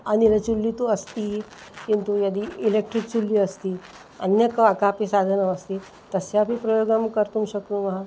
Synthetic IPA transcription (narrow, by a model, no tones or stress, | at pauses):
anilət͡ɕulːit̪oəst̪iː | kint̪ujəd̪iilek̚ʈɾik̚t͡ʃulːiəst̪iː | ə̰njəkakapisad̪ʱənəəst̪i | t̪əsjabʱipɾəjoɡəmkəɾt̪umɕəkt̪ũʋəɦã